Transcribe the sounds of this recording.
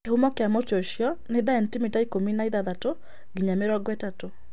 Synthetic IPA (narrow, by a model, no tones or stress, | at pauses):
ehumɔkeamotoʃjɔneðaɛntimitaikominaiðaðato | ɡiɲameɾɔɡwɛtato